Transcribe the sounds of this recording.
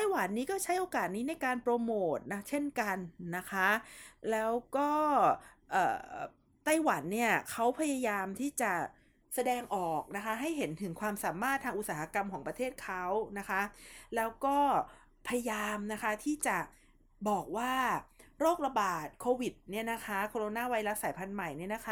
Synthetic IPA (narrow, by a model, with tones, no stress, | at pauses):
a˥˩jwa˨˩˦nːiː˦˥kɔː˥˩t͡ɕʰa˦˥jʔoː˧kaː˨˩t̪̚niː˦˥na˧jkaː˧npɾoː˧moː˨˩t̪̚na˦˥t͡ɕʰe˥˩nka˧nːa˦˥kʰa˦˥lɛː˦˥wkɔː˥˩ | ʔɤ̰ː˨˩ | t̪a˥˩jwa˩˦nːi˥˩ɐkʰa˦˥wpʰa˧ja˧jaː˧mt̪ʰiː˥˩t͡ɕa˨˩ | sa˧dɛː˧ŋʔɔː˨˩k̚na˦˥kʰa˦˥ɦa˥˩jɦe˩˦nt̪ʰɯ˨˩˦ŋkʰwaː˧msaː˩˦maː˥˩t̪ʰːaː˧ŋʔu˨˩t̪̚saː˩˦ha˧ka˧mkʰɔː˩˦ŋpɾa˧t̪ʰeː˥˩t̪̚kʰa˦˥wna˦˥kʰa˦˥lɛː˦˥wkɔː˥˩ | pʰa˧ja˧jaː˧mna˦˥kʰa˦˥t̪ʰiː˥˩t͡ɕa˨˩ | bɔː˨˩k̚waː˥˩ɾoː˥˩k̚ɾa˧baː˨˩t̪̚kʰoː˧wi˨˩t̪̚ni˥˩ɐna˦˥kʰa˦˥kʰoː˧ɾo˧naː˥˩wa˧jla˦˥saː˩˦jpʰa˧nma˨˩jni˥˩na˦˥kʰa˦˥